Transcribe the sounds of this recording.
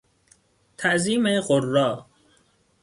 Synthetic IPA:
t̪ʰæʔziːmeɢorːɒː

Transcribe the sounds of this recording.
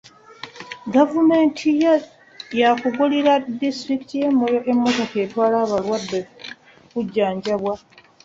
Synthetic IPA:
ɡavume̞ːntʰij | jakuɡuliɾadistɾikitijemojemːo̞to̞ke̞ːtwaːlaːβalwadːe | kuɟːaːɲɟaβwa

